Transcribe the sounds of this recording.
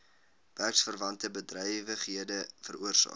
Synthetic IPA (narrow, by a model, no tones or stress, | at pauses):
b̥ærksfərvɐntəbədrɛjvəχɦiədəfəɾuərsɑ̰ː